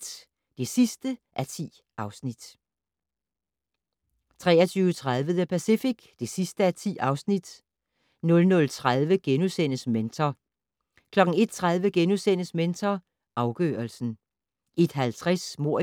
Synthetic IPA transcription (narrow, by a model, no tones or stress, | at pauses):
d̥e̝sisd̥əʔæɐt͡sʰḭː | ʔɑ̈ʊsnid̥ | t͡sʰʁɛ̰ːɐt͡sʰyːʊət͡sʰʁað̞ˠʋəðˠəpʰæsifiɡ̥d̥e̝sisd̥əæɐt͡sʰḭːɑ̈ʊsnid̥ | nɔ̽lnɔ̽lt͡sʰʁað̞ˠʋəɡ̥enusen̰əsment͡sʰɐ | kʰlɒ̽ɡ̥n̩e̝d̥̚t͡sʰʁað̞ˠʋəɡ̥enusen̰əsment͡sʰɐ | ʔɑ̈ʊɡ̥ø̰ːɐlsn̩ | ʔe̝d̥ɦælt͡sʰʁɛsmo̝ɐ̰